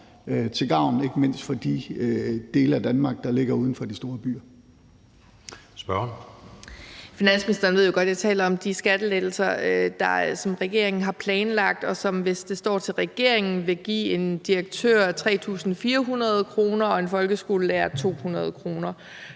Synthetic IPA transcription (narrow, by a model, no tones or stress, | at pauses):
t͡sʰe̝lɡ̥ɑ̈ʊ̰ne̝ɡ̥əme̝n̰sd̥fɒd̥i | d̥e̝ːləæd̥ænmɑ̈ɡ̥̚d̥ɑ̈le̝ɡ̥ɐuːð̞ˠn̩fɒd̥isd̥o̝ːɐb̥y̰ːɐ | sb̥ɶɐn | finæn̰sminisd̥ɐːnʋeð̰ˠjoɡ̥ɒ̽d̥jat͡sʰɛ̰ːlɐɒ̽md̥isɡ̥æd̥əled̥l̩sɐd̥ɑ̈sɒ̽mʁɛɡ̥e̝ɐe̝ŋn̩ɦɑ̈pʰlɛːnlɑ̈ɡ̥̚d̥ɒ̽sɒ̽mʋe̝sd̥e̝sd̥ɒ̰ːt͡sʰe̝lʁɛɡ̥e̝ɐ̰e̝ŋn̩ʋe̝ɡ̥ḭːe̝nd̥iɐɡ̥̚t͡sʰø̰ɐ̰t͡sʰʁɛ̰ːt͡sʰṵːsn̩fiːɐɦunʁɐð̞ˠkʰʁo̝ːnɐɒ̽e̝nfɒ̽lɡ̥əsɡ̥o̝̰ːləlæːɐt͡sʰo̝̰ːhunɐð̞ˠkʰʁo̝ːnɐ